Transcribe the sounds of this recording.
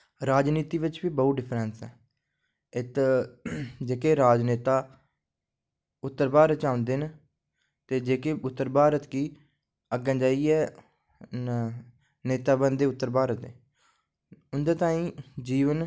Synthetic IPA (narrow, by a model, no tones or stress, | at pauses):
ɾaːd͡ʒniːt̪iːʋɪt͡ʃbiːbəːɖɪpʰɾɛnsɛː | ɪt̪ | d͡ʒeːkeːɾaːd͡ʒneːt̪aː | ʊt̪ːəɾbaːɾət͡ʃaːʊ̃nd̪eːn | t̪eːd͡ʒeːkeːʊt̪ːəɾbʱaːɾət̪kiː | əɡɛ̃ːd͡ʒaːiːɛː | neːt̪aːbənd̪eːʊt̪ːəɾbaːɾət̪eː | ʊnd̪aːt̪aːĩːd͡ʒiːʋən